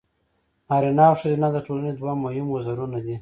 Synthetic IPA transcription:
ɑɾinɑwʂəzenad̪aʈolaned̪wamohɪmozaɾunad̪i

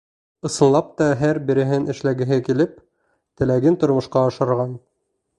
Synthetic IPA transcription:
ɤ̆sɤ̆nlˠɑp̚t̪ɑɦæɾbĭɾɘ̆ɦɘnɘ̆ʃlæɡɘ̆ɦɘkilɘp̚ | t̪ɘ̆læɡɘnt̪ŏɾmŏʃqɑɑʃɤ̆ɾʁɑn

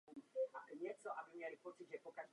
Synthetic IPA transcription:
aɲɛt̪sɔʔabɘmʲjalʲipɔt̪sud͡ʑɛpɔkaʒ

